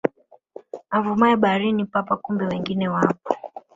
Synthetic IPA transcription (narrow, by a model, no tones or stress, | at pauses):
avumaɛɓaɾinipapakumbɛwɛŋɡinɛwapɔ̥